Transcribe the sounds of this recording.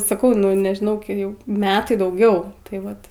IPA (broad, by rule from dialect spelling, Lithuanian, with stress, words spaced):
sɐˈkɐʊ ˈnʊ nʲɛʒʲɪˈnɐʊ ˈjɛʊ ˈmʲæːtɐɪ dɐʊˈɡʲɛʊ tɐɪ ˈʋɐt